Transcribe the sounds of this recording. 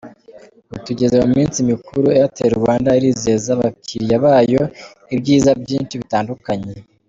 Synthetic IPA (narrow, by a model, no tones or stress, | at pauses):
utuɟe̞zeomumiːnsimikuɾuejateuɾɡwaːndaiɾiːze̞ːzaβakiɾijaβaːjo | ibɟiːzabɟiːnt͡ʃiβitaːndukaɲe̞